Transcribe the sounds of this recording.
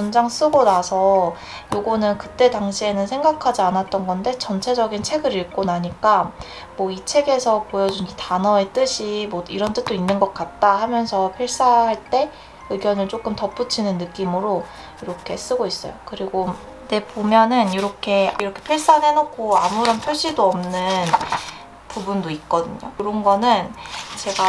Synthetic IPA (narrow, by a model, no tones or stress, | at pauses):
ond͡ʑaŋs͈ɯɡonasʰʌ | joɡʌnɯnkɯt͈e̞taŋɕʰie̞nɯnsʰe̞ŋɡakʰad͡ʑianat̚t͈ʌnɡʌnde̞t͡ɕʌnt͡ɕʰe̞d͡ʑʌɡint͡ɕʰe̞ɡɯɾiɭk͈onaɲik͈a | mwʌit͡ɕʰe̞ɡe̞sʰʌpojʌd͡ʑunɡitanʌe̞t͈ɯɕʰimʌiɾʌnt͈ɯk̚t͈oinːɯnɡʌk̚k͈at̚t͈ahamjʌnsʰʌpʰjʌɭs͈aɦaɭt͈e̞ | ɯɡjʌnɯɭt͡ɕ͈ok͈ɯmtʌp͈ut͡ɕʰinɯnːɯk͈imɯɾo | iɾʌkʰe̞s͈ɯɡois͈ʌ̰jokɯɾiɡo | ne̞pomjʌnɯniɾʌkʰe̞iɾʌkʰe̞̥pʰjʌɭs͈anɦe̞nokʰoamuɾʌnpʰjʌɭɕ͈idoʌmnɯn | pubundoit̚k͈ʌdɯɲoɯɾʌnɡʌnɯnt͡ɕe̞ɡa